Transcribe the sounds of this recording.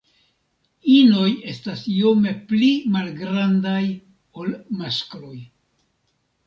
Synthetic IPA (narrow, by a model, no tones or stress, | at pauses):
ino̞je̞stasio̞me̞plimalɡɾandaj | o̞lmasklo̞j